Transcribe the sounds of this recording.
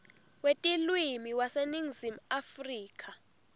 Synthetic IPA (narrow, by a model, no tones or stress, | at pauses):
wetʼilwimiwaseniŋzimuafriːk̬ʰʼa